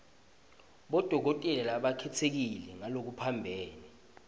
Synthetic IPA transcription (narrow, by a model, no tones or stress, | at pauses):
ɓɔd̥ʱɔk̬otʼɛlɛlaɓakʰɛtʰek̬ilɛŋalok̬upʰambʱɛːni